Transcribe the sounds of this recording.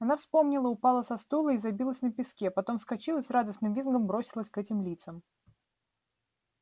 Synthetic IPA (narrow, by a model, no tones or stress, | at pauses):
ɐnafspo̞mnʲɪlˠəʊpalˠəsɐst̪ulˠəizɐbʲilˠəsʲnəpʲɪskʲepɐt̪o̞mfskɐt͡ɕilˠəsʲrad̪əsnɨmvʲinɡəmbɾo̞sʲɪlˠəsʲkɛtʲɪmlʲit̪səm